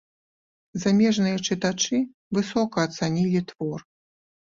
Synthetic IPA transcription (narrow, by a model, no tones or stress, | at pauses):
zamʲɛʐnɨjɐt͡ʂɨt̪at͡ʂɨ | vɨsɔkɐːt̪sanʲilʲit̪vɔr